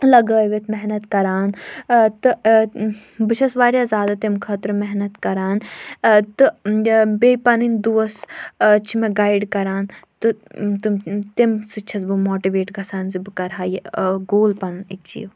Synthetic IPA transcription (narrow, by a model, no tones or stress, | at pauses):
lɐɡəːʋet̪ʰmɛɦnɐt̪kɐɾaːnt̪ɨ | bɨt͡ʃʰɐsʋaːɾjazaːd̪ɐt̪imkʰɐːt̪ɾɨmɛɦnɐt̪kɐɾaːnt̪ɨbeːpɐnind̪uɐst͡ʃʰimẽɡaːiɖkɐɾaːnt̪ɨt̪ɨmt̪emsɨt͡ʃʰɐsbɨmoːʈiʋeːʈɡʱɐsaːnzibɨkɐɾɦaːjeɡoːlpɐnit͡ʃʰḭː